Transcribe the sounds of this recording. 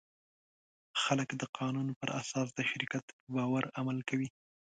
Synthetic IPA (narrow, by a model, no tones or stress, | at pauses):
xaləkd̪əqʰɑnunpəɾa̰sɑs̬d̪əʃɪɾkat̪pəbɑwaɾamalkawi